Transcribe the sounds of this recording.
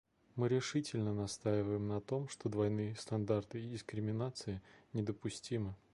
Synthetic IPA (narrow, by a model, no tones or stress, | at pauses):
mɨɾʲɪʂɨtʲɪlʲnənɐst̪ajɪvəjɪmnɐt̪o̞mʂt̪o̞d̪vɐjnɨjəst̪ɐnd̪art̪ɨːdʲɪskɾʲɪmʲɪnat̪sɨɪnʲɪd̪əpʊsʲtʲimɨ